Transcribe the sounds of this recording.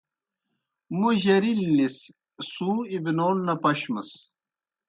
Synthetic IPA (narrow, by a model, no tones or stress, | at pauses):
muʑɐɾilːis | sũːibinoːnːɐpɐɕməs